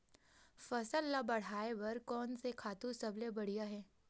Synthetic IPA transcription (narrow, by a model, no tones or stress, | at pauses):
fɐsəlːabɐɽ̤aːeʋɐɾkɔːnsekʰaːt̪ũsɐblebɐɽ̤ijaɦɛː